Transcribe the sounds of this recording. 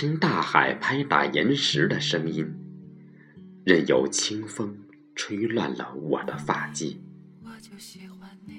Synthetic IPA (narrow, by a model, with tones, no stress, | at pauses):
t͡ɕʰi˥nt̪a˥˩xa˨˩ɪpʰa˥ɪt̪a̰˨˩jɛ˧˥nʂɻ̩˧˥d̪ə˧ʂɤ˥ŋi˥n | ɻə˥˩njo˨˩ʊt͡ɕʰi˥ŋfɤ˥ŋ | ʈ͡ʂʰwe˥ɪlwa̰˥˩nlə̰˩wɔ̰˨˩d̪ə˦fa˥˧t͡ɕḭ˥˩